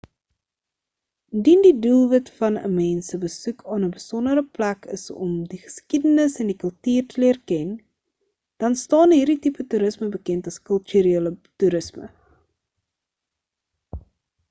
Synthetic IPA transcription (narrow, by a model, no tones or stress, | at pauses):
əndindidulˠvɐtfɐnə̰mɛːnsəbəsukʰɑːnəbəsɔndəɾəplækə̰sɔ̰mdiχə̥skidənəsɛndikəlˠtyːrtəliərkɛn | d̥ɐnstɑːnɦiːrditipətuɾəsməbəkɛntɐskəlˠtyɾeːlətuɾəsmə̰